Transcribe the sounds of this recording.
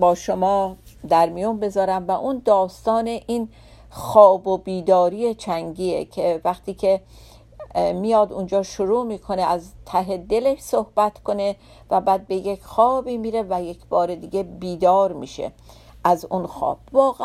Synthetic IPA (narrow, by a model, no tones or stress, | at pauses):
bɒːʃomɒːd̪æɾmijunbe̞zɒːɾæmvæʔund̪ɒːst̪ɒːneʔiːn | xɒːbobiːd̪ɒːɾiːet͡ʃʰæŋɡiːekʰevæxt̪ʰiːkʰe̞ | mijɒːd̪und͡ʒɒːʃoɾuːmiːkʰo̞neæzt̪ʰæɦe̞d̪eleʃsohb̥æt̪ʰkʰo̞ne̞ | væbæːd̪̚bejecxɒːbiːmiːɾe̞væjekʰb̥ɒːɾed̪iɡe̞biːd̪ɒːɾmḭːʃḛ | ʔæzunxɒ̰ːb̥̚vɒːɣ